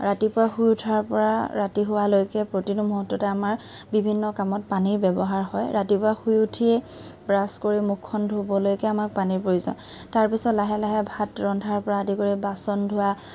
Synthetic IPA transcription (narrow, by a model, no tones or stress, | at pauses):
ɹatipʊaxujutʰaɹpɔɹaɹatiɦʊwalojkɛpɹotinumuɦutːɔtɛamaɹbibʱinːɔkamɔt̚paniɹbɛbɔɦaɹhɔjɹatipʊaxujutʰiɛ | bɹaskoɹimukʰːɔndʱubɔlojkɛamak̚paniɹpɹouzɔ̰ntaɹpisɔtlaɦɛlaɦɛbʱatɹɔndʱaɹpɔɹaadikoɹibasɔndʱʊwa